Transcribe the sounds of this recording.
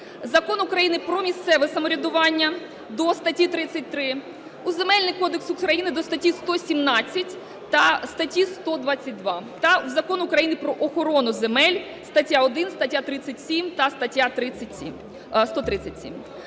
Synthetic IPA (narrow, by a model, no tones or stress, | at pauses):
zɐkɔnukɾɐjinɪpɾɔmʲist̪sɛʋɛsɐmɔɾʲɐd̪ʊʋɑnʲːɐ | d̪ɔst̪ɐtʲit̪ɾɪt͡sʲːɐt̚ʲt̪ɾɪ | uze̞mɛlʲnɪjkɔd̪eksukɾɐjinɪd̪ɔst̪ɐtʲist̪ɔsʲimnɑt͡sʲːɐtʲ | t̪ɐst̪ɐtʲist̪ɔd̪ʋɑt͡sʲːɐt̚ʲd̪ʋɑt̪ɐwzɐkɔnʊukɾɐjinɪpɾɔʔɔxɔɾɔnʊzemɛlʲ | st̪ɐtʲjaɔd̪ɪnst̪ɐtʲjat̪ɾɪt͡sʲːɐtʲsʲimt̪ɐst̪ɐtʲːat̪ɾɪt͡sʲːɐtʲsʲim | st̪ɔt̪ɾɪt͡sʲɐtʲsʲḭm